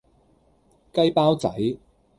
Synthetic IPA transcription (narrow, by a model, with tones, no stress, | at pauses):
kɐ˥jpaː˥wt͡sɐ̰˨˥j